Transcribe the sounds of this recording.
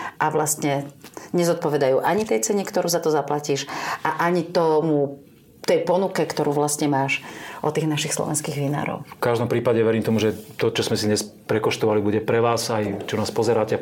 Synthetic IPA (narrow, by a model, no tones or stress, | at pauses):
ʔaʋlast̪ɲɛɲɛzɔt̪̚pɔʋɛd̪ajuːʔaɲit̪ɛjt͡sɛɲikt̪ɔɾuːzat̪ɔzaplaciːʃʔaʔaɲit̪ɔmu | t̪ɛjpɔnukɛkt̪ɔɾuːʋlast̪ɲɛmaːʃʔɔt̪iːɣnaʃixslɔ̰ʋɛ̰nskiːɣʋina̰ːɾɔ̰ʊfkaʒd̪ɔmpɾiːpaɟɛʋɛɾiːmt̪ɔmuʒɛt̪ɔt͡ʃɔzmɛsid̪ɲɛspɾɛkɔʃt̪ɔʋalibuɟɛpɾɛʋaːsajt͡ʃɔnaːspɔzɛɾaːcɛ